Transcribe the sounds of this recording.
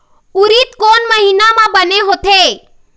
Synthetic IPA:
ʊɾit̪koːnməɦiːnamãbəneɦot̪ʰe

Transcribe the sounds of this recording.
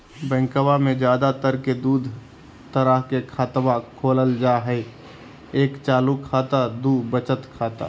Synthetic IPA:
bɛ̃ːŋkəwamẽd͡ʒjaːd̪at̪əɾked̪uːd̪ʱ | t̪əɾəɦkekʰaːt̪ʋakʰoːləld͡ʒaːɦɛ | eːkt͡ʃaːlukʰaːt̪ad̪uːbət͡ʃət̪kʰaːt̪a̰ː

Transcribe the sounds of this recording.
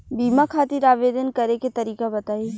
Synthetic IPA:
biːmakʰaːt̪ɪɾaːʋeːd̪ənkɐɾeket̪ɐɾiːkabɐt̪aːi

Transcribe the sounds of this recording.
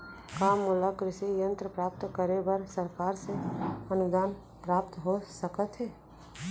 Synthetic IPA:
kaːmʊləkɾɪsejə̃nt̪ɾəpɾaːp̚t̪kəɾebəɾsɐɾkaːɾseɐnʊd̪aːn | pɾaːp̚t̪ɦosəkət̪ɦɛː

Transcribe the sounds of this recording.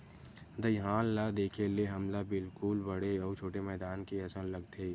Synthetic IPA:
d̪ɐjɦaːlːad̪eːkʰeleɦɐmlabɪlkʊlbɐɽeɔːt͡ʃʰoːʈemɛːd̪aːnkiɐsənlɐɡt̪ʰeː

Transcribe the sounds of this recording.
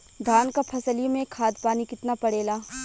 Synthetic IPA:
d̪ʱaːnkapʰɐsəlimẽkʰːaːd̪paːnikɪt̪napɐɽeːlaː

